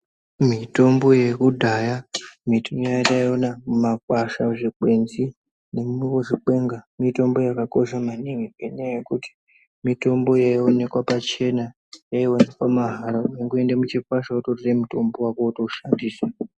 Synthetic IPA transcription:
mito̞mbo̞je̞kudʱajamitʰimjajataio̞namumak̚waʃaʐikwe̞nzi | ne̞muikoʐik͡pwe̞ŋɡamito̞mbo̞jakako̞ʃamaniŋieɲejekuti̥ | mito̞mbo̞jaio̞ne̞kwapat͡ʃe̞na | jaionekwamaɦaɾaujeŋɡoe̞ndemut͡ʃikwaʃautotiremuto̞mbo̞wakotouʃandiːsa

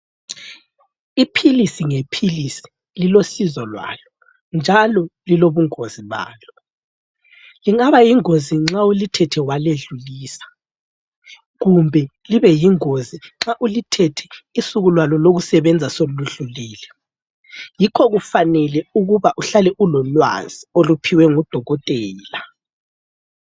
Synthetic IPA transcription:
ipʰilisiŋepʰilisi̥ | lilosizɔlwa̰ːlɔ | nd͡ʒʱalɔliloβuŋoziβa̰ːlɔ | liŋaβajiŋoziŋ͡ǁaulitʰɛtʰɛwaleɮuliːsḁ | ɣumbʱɛliβɛjiŋoziŋ͡ǁaʔulitʰɛtʰɛ̥isuɣulwalɔloɣusɛβɛnd͡zʱasoluɮuliːlɛ | jikʰɔɣufanɛlɛuɣuβaʔuɬalɛʔulɔlwa̰z̥iolupʰiwɛŋɔd̥ʱɔɣɔtʼɛːla

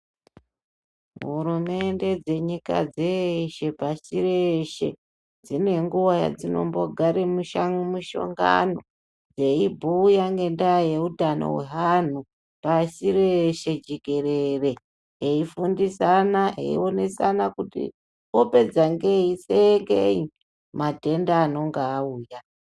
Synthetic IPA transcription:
ɦɦuɾume̞nde̞d͡ze̞ɲika̰d͡zeiʃe̞pasireʃe̞̰ | d͡zine̞ŋɡuwaja̰d͡zino̞̰mbo̞ɡʱaɾemuʃaŋumuʃo̞̰ŋɡa̰no̞ | d͡ze̞ibʱujaŋɡe̞ndaje̞utano̰we̞̰ɦan̤u | pasiɾeʃe̞d͡ʒeke̞ɾere̞ | eifundisanaḛḭo̞ne̞sanakutḭ | ope̞d͡zaŋɡeiseŋɡei | mate̞ndaːno̞ŋɡaːuːja

